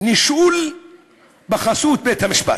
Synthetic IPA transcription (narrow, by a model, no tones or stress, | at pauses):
niʃul | baχasut̪̚bet̪hamiʃpa̰